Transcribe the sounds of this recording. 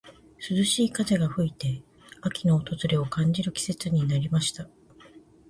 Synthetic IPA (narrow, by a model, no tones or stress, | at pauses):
sɨzɨɕiːkaʑeɡaɸɯ̟it̪e̞ | akʲino̞ːt̪o̞zɨɾʲe̞o̞kãɲ̟d͡ʑiɾɯ̟kʲi̥se̞t͡sɨɲ̟inaɾʲimaɕi̥t̪a